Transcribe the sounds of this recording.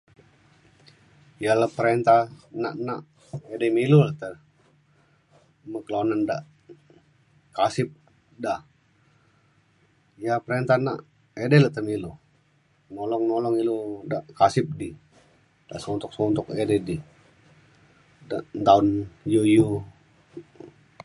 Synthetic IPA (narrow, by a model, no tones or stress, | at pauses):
jalapəɾɛnt̪ahna̰ʔnaʔ | edɛmiluləʔt̪ə | məkəlanandaʔ | kasɪp̚ | da | japəɾent̪ana̰ʔ | edɛlat̪əmilu | nɔlɔŋnɔlɔŋilodaʔkasɪp̚di | d̥a̰ʔsɔnt̪ʊk̚sɔnt̪ʊkɛdɛdi | daʔnt̪aʊnjuju